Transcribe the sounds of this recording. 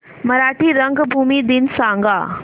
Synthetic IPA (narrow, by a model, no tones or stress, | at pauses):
mɐɾaːʈʰiɾɐ̃ŋɡbʱuːmid̪ɪnsãːŋɡa̰ː